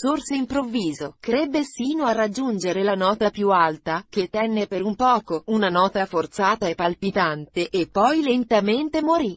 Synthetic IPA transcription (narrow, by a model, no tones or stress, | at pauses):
sorseimpɾovːiːzokɾɛbːesiːnoarːad͡ʒːund͡ʒeɾelanɔːt̪apjualt̪ak̟et̪ːɛnːepeɾumpɔːkounanɔːt̪afort̪saːt̪aepːalpit̪ant̪eʔepːɔjlent̪ament̪emoɾi